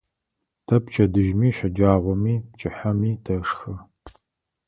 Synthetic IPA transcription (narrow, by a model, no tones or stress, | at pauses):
tʰɐpt͡ʃʰʼɐdɨʒmiːʃʷɐd͡ʒaːʁʷɔmiːpt͡ʃʼɪħamiːtʰɐʂxɨ